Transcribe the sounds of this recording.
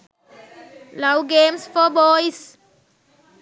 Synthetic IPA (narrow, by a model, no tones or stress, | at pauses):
laʊɡẽːmsfɔbɔːɪs